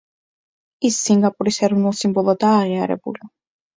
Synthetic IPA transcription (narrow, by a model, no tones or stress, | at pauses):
isːiŋɡapʼuɾisɛɾɔnulˠsimbɔlˠɔd̪aːʁiaɾɛ̰bṵli